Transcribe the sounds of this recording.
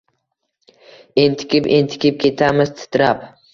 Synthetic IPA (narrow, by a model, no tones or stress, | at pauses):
ent̪ʰɪ̥kʲʰɪpent̪ʰɪ̥kʲɪp̚kʲʰe̞t̪ʰamɪz̥t̪ʰɪ̥t̪ʰɾap